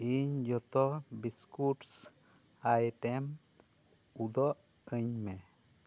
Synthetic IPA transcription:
eɲd͡ʒɔt̪ɔbiskuʈs | ajʈɛm | ud̪ɔʔ | əɲmɛ

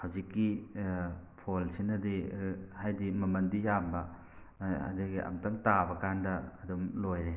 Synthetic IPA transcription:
hɐwzikːi | pʰolsinɐdihajdimɐmɐndijambɐ | a̰deɡiʔɐ̰mtɐŋtabɐkandɐːdumlojɾe

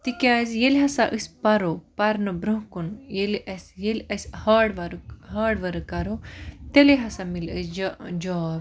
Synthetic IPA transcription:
t̪ikʲaːzʲjelʲɦɐsaʔɨsʲpɐɾopɐɾnɨbɾũɦkunjelʔɐsʲjelʲɐsʲhɐːɽʋɐɾɦɐːɽʋɐɾɨkɐɾot̪eleɦɐsamilɐsd͡ʒd͡ʒɔːb

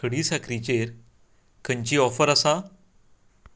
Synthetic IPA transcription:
əɽiːsakɾit͡ɕeɾ | kʰəɲt͡ɕiːɔfəɾəsa

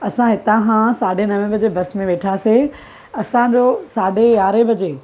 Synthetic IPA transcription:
ɐsãɦɪt̪ãkãsaːɖʱenɐʋẽbɐd͡ʑebɐsmẽʋeːʈʰaːse | ɐsãd͡ʑosaːɖʱejaːɾebʱɐd͡ʑeː

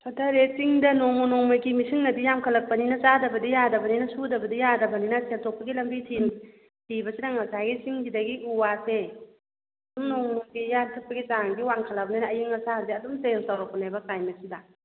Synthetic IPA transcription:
sʰatʰaɾet͡ʃiŋdɐnoŋmɔnɔŋmaɡimisiŋnɐdijamkʰɐlːɐk̚pɐninɐt͡ʃadɐbɐdijadɐbɐninɐsudɐbɐdijadɐbɐninɐseltʰok̚pɐɡilɐmbitʰin | tibɐsidaŋɐsaɡit͡ʃiŋɡidɐɡiʔuwase | ɐdumnoŋnoɡijantʰɐt̚pɐɡit͡ʃaŋɡiwaŋkʰalabɐnajnɐːjiŋɐsaɾdiɐdumseŋsawɾak̚pɐnajbɐkajmɐsidɐ

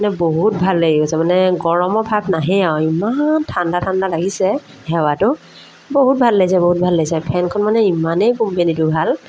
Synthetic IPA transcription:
anɛboɦut̚bʱalːeɡikɔsɛmanɛɡɔɹɔmɔpʰabnaɦɛawimantʰandatʰandalaɡisɛ | hɛwatʊ | boɦut̚bʱalːejsɛboɦut̚bʱalːajsɛpʰɛnkʰɔnmanɛimanejkumpenitubʱal

